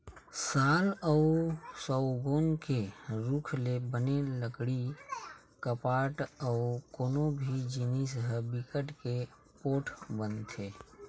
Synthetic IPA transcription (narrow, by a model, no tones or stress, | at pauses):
saːlɔʊsɔʊɡoːnkeɾukʰlebəneləkɽi | kəpaːʈɔʊkoːnobʱid͡ʒinisɦəbikəʈke | poːʈʰbənt̪ʰeː